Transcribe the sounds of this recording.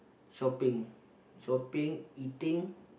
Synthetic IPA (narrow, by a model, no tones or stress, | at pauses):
sopɪŋ | sopɪŋit̪ɪŋ